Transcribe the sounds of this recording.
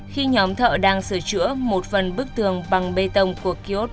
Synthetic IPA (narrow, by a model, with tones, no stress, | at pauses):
xi˧ɲɔ˨˦mt̪ʰə̰ː˧˨ɗaː˧ŋsɨ˧˩t͡ɕɨ̰˧˥əmo˨˩t̚fə˨˩nɓɨ˦˥k̚t̪ɨ˨˩əŋɓa˨˩ŋɓe˧t̪ə˧wŋ͡mku˧˩əki˧o˦˥t̚